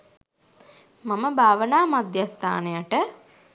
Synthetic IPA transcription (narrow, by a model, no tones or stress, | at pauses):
maməbʱaːʋənaːmad̪jast̪a̰ːnejaʈə